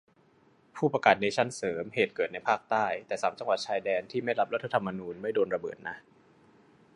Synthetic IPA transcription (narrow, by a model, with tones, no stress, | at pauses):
pʰuː˥˩pa˧kaː˨˩t̪̚na˧t͡ɕʰa˦˥˩nsɤː˩˦mheː˨˩t̪̚kɤː˨˩t̪̚na˧jpʰaː˥˩k̚t̪aː˥˩jt̪ɛː˨˩saː˩˦mt͡ɕa˧ŋwa˨˩t̪̚t͡ɕʰaː˧jdɛː˧nt̪ʰiː˥˩ma˥˩jɾa˦˥p̚ɾo˦˥t̪ʰːa˧t̪ʰa˧mːa˧nuː˧nma˥˩jdoː˧nɾa˧bɤ̰ː˨˩t̪̚na˦˥ʔ